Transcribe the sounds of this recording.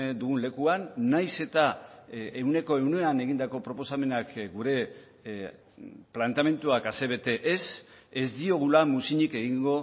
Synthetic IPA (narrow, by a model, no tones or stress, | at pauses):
d̪uɣunle̞kuanːajse̞t̪a | e̞wne̞ko̞e̞wnueane̞ɣind̪ako̞pɾo̞po̞same̞nakɡuɾe̞ | plant̪ame̞nt̪uakase̞βe̞t̪e̞ʔese̞zd̪io̞ɣ̞ulamusiɲike̞ɣ̞iŋɡo̞